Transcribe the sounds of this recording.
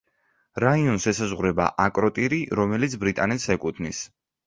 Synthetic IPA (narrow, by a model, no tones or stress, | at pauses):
ɾaiɔnsɛsazʁɾɛba̰ʔakʼɾɔt̪ʼiɾiɾɔmɛlit̪sʰbɾit̪ʼanɛt̪sɛkʼut̪ʰnis